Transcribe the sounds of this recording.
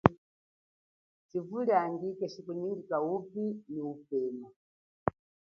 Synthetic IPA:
t͡ʃivuliandikɛt͡ʃikuniŋɡikaupiniupɛːma

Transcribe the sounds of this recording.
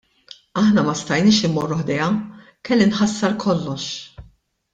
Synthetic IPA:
ɐħnɐmɐst̪ɐjniːʃɪmɔrːʊħd̪ɛjɐ | kɛlːɪnħɐsːɐɾkʰɔlːɔʃ

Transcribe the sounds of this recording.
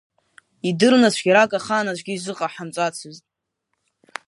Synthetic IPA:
idɨrnat͡ɕʷʰɡʲaɾakʼaχaːnat͡ɕʷʰʼɡʲiːzʷɨqʼaħamt͡ʃʷʼat͡sʰɨztʼ

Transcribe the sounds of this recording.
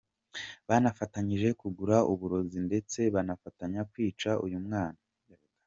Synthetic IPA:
βanafataɲiʒe̞kuɡuɾaʔuβuɾo̞zinde̞t͡se̞βanafataɲakwiːt͡ʃaʔṵjumŋaːna

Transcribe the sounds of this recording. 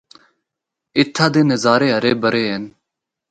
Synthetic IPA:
ɪt̪ʰːaːd̪eːnəzaːɾeːɦɐɾeːbəɾeːɦen

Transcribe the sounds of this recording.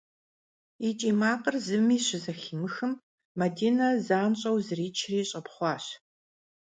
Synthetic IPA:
it͡ʃʼiːmaːqərzɨmiːɕɪzɐxiːmɨxɨmː | ɐdiːnɐzaːnɕʼɐwzɨriːt͡ʃʰriːɕʼɐpχʷɑːɕ

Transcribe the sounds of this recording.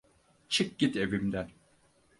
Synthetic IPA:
t͡ʃʰɯk̚ɟ̥it̪e̞vimd̪æn

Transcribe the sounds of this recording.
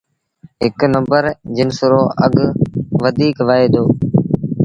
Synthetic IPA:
ɦɪknə̃mbəɾd͡ʒɪnsʊɾoːəɠʋəd̪ʱiːkʋaeːd̪oː

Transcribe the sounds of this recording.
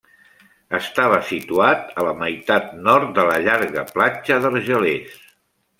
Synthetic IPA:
əst̪aβ̞əsit̪uat̪ələməjt̪at̪̚nɔɾt̪̚d̪ələʎaɾɣəplat͡ʃəðəlˠʒəles

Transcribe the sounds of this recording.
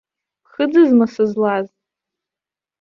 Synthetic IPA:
pχɨd͡zɨzmasɨzlaz

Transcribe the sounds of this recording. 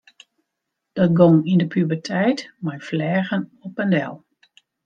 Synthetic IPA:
d̥ɔtɡɔŋindəpʰybərtʰɛjtmajflɛːɣənɔpəndɛ̰lˠ

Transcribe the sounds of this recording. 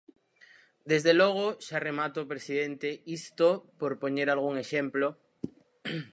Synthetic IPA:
d̪e̞zðeloɣ̞oʃaremat̪opɾesiðent̪eist̪opoɾpoɲeɾalɣ̞uŋe̞ʃẽmplo

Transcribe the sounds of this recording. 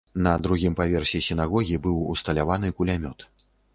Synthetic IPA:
nɐd̪ɾuɣʲimpavʲɛrsʲisʲinaɣɔɣʲibɨwust̪ɐlʲavan̪ɨkulʲamʲɔt̪

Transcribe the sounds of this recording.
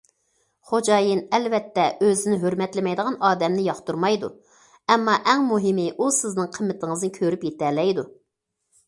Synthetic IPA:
χod͡ʒɑjinɛlvɛt̪ːɛʔøzɪnɪɦøɾmɛt̪lɪmɛjd̪əʁɑnɑːd̪ɛmnɪjɑχt̪uɾmɑjd̪ṵ | ɛmːɑʔɛŋmuɦɪmɪʔusɪznɨŋqʰəmːɪt̪ʰɪŋəznɪkʲʰøɾypjet̪ɛɾlɛjd̪u

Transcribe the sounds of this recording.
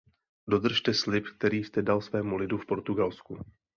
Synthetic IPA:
do̞d̪r̩ʃt̪ɛslɪpk̚t̪ɛɾiːst̪ɛdalsvɛːmulɪdufpo̞ɾt̪uɡalsku

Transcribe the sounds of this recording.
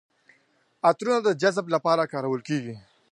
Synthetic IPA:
at̪ɾunad̪əd͡ʒazblapɑɾakɑɾawəlkeɡi

